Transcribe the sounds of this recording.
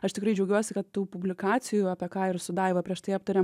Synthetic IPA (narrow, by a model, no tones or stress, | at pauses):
ɐʃt̪ʲɪkɾɐɪd͡ʒʲɛʊɡʲuɔsʲɪkɐt̪tuːpʊbʲlʲɪkɑːsʲɪjuːɐpʲɛkɑːɪrsʊd̪ɑɪʋɐpʲɾʲiɛʃt̪ɐɪɐpt̪ɐɾʲeːm